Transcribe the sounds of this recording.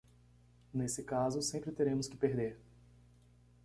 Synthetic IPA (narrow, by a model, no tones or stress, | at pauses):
nesɪkazʊsẽmpɾɪt̪eɾẽmʊskɪpeɾd̪eɾ